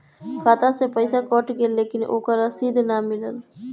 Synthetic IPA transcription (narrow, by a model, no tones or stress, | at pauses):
kʰaːt̪asepəɪsakɔːʈɡeːlːeːkɪnʔo̰ːkəɾəsid̪ʱnamɪləl